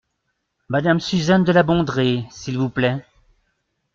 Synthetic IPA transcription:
mad̪amsyzand̪əlabɔ̃d̪ʁesilvuplɛ

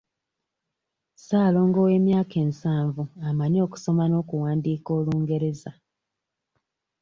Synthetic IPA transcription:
saːlo̞ːŋɡowe̞ːmjaːke̞ːnsaːɱvuamaɲo̞ːku̥so̞mano̞ːkuwaːndiːko̞ːluːŋɡe̞ɾe̞za

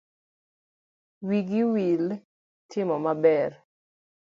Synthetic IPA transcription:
wiɡiwil | tʰɪmɔmabɛr

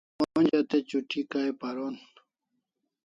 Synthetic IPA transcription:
oond͡ʑɐt̪et͡ɕuʈikaepaɾon

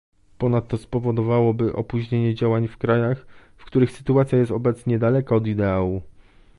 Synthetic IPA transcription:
pɔnat̪ːɔspɔvɔd̪ɔvawɔbɘʔɔ̰puʑɲeɲɛd͡ʑawaɲfkɾajax | fkt̪uɾɘxsɘ̥t̪uat̪sʲjajɛst̪ɔbɛt̪sɲɛd̪alɛkaɔd̪id̪ɛawu

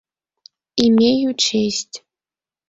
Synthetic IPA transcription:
imʲejut͡ɕesʲtʲ

